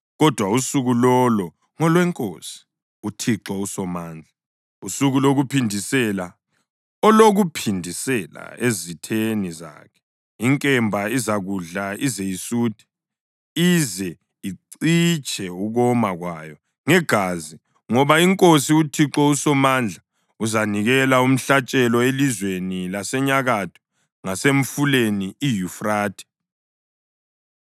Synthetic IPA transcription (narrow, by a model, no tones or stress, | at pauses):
ɣɔd̥ʱwausuɣulɔlɔ | ŋɔlwɛŋkʼo̰si̥ | utʰiǁɔusɔmaːnd͡ɮʱa | usuɣuloɣupʰindʱisɛla | ɔloɣupʰindʱisɛla̰ezitʰeniza̰ːkʰɛ̥ | iŋkʼɛmbʱaizaɣuɮaizejisuːd̥ʰʱɛ̥ | izɛ | iǀ | it͡ʃʼɛuɣɔmaɣwaːjɔ | ŋɛɡ̥ʱazi | ŋɔβaiŋkʼosiutʰiǁɔusɔmand͡ɮʱa | uzaniɣɛlaum̩ɬat͡ʃʼɛlɔelizwenilasɛɲaɣatʰu̥ | ŋaseɱfuleniijufraːtʰʼɛ̥